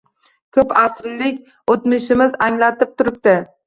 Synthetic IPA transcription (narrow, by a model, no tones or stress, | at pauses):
kʲʰɵpasɾlɪkʲ | ot̪mɪʃɪmɪzaŋlat̪ɪp̚t̪ʰʊɾɪp̚t̪ɪ